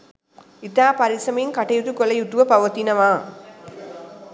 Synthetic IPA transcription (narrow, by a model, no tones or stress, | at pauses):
ɪt̪aːpɐɾɪsɐmɐjɯnkɐʈːɐjut̪ːɯkːɔlɐjut̪ːuʋɐpɐʋɐt̪inɐʋãː